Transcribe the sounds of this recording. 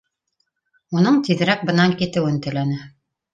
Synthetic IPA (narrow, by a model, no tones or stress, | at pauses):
unɤɴt̪iðɾæk̚bɤ̆nɑŋkit̪ɘ̆wɘnt̪ɘ̆lænɘ